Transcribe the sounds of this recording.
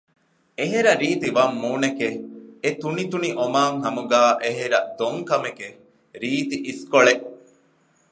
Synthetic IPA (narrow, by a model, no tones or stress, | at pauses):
eɦeɾɐɾiːt̪iʋɐmːuːnekeet̪unit̪uniʔomaːŋɦɐmuɡaːʔeɦeɾɐd̪oŋkɐmeke | ɾiːt̪iʔiskoɭeʔ